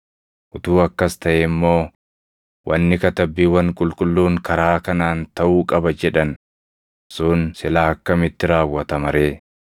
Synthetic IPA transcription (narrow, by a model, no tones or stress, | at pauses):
ʔʊt̪uːɐkːɐst̪ɐʔemːo̞ː | wʔɐnːɪkɐt̪ɐbːiːwɐŋkʼʊlkʼʊlːuːŋkɐɾaːkɐnaːnt̪ɐʔuːkʼɐbɐd͡ʒɛᶑɐn | suːnsɪlaːɐkːɐmɪt̪ːɪɾaːwːɐt̪ɐmɐɾeː